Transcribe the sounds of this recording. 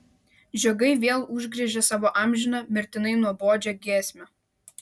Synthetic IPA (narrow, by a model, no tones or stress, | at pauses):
ʒʲoɡɐɪʋʲeɛlˠʊʒʲɡɾʲiɛʒʲɛsɑːʋoːʔɑmʲʒʲɪnɑmʲɪɾʲt̪ʲɪnɐɪnuɔboːd͡ʒʲɛɡʲeːsʲmʲo